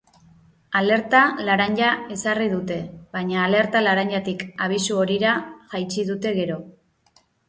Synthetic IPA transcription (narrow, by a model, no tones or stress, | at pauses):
ale̞ɾt̪alaɾaɲɟae̞sariðut̪e̞βajɲaːle̞ɾt̪alaɾaɲɟat̪ikaβ̞isuo̞ɾiɾaʝajt͡ʃiðut̪e̞ɣe̞ɾo̞